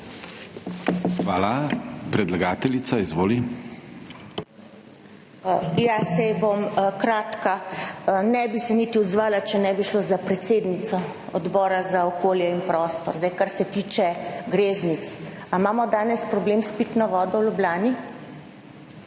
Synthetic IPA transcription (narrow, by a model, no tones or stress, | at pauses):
xʋaːlapɾɛd̪laɡaːt̪ɛlisaizʋoːli | jasɛjbomkɾaːt̪ka | nɛbisɛnit̪iɔd̪zʋaːlat͡ʃɛnɛbiʃlozapɾɛt̪seːd̪nit̪sɔ | ɔd̪bɔːɾazaɔkoːljɛinpɾɔst̪ɔɾzd̪aɪjkaɾsɛt̪iːt͡ʃɛɡɾeːznit̪samaːmɔd̪aːnɛspɾɔblemspiːt̪nɔʋɔːd̪ɔwlublaːni